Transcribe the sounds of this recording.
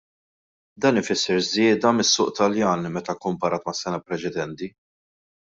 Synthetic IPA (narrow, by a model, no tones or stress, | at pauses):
d̪ɐːnɪfɪsːɛɾzɪːd̪ɐmɪsːʊːʔt̪ɐljɐːnmɛt̪ɐkːʊmpɐɾɐːt̪mɐsːɛnɐpɾɛt͡ʃɛd̪ɛnt̪i